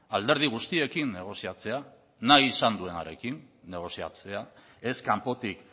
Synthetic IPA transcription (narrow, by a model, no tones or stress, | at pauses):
ald̪e̞ɾð̞iɣ̞ust̪ie̞kinːe̞ɣ̞o̞siat͡se̞a | najːsand̪ue̞naɾe̞kinː | e̞ɣ̞o̞sia̰t͡se̞a | e̞skampo̞t̪ik